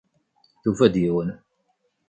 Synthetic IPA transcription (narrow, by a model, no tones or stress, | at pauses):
θufæd̪jiwən